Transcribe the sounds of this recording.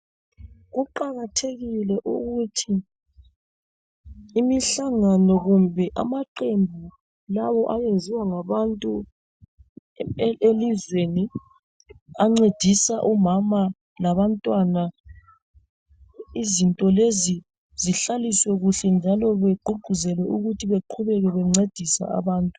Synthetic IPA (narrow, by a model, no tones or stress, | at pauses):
ɣuǃaɣatʰeɣilɛʔṵɣutʰi | miɬaŋanɔɣumbʱɛʔa̰maǃembʱu | lawɔʔaβenzʱiwaŋaβantʼu | elizweni | aŋ͡ǀed̥ʱisaʔumama | laβantʼwana | izintʼɔlezi | ziɬaliswɛɣuɬɛnd͡ʒʱalɔβeɡ͡ǃʱuɡ͡ǃ̥ʱuzɛlwɛʔuɣutʰiβeǃʰuβɛɣɛβɛŋ͡ǀed̥ʱisa̰a̰βaːntʼu